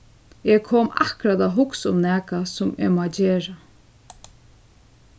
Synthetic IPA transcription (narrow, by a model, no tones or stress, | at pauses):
ɛkʰoːma̰hkɾad̪aɦʊksʊmnɛːkasʊmḛmad͡ʒeːɹa